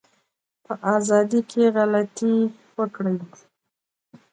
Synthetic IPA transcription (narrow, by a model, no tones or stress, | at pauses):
pəʔazɑd̪ikʰeɣalat̪i | wəkɽəw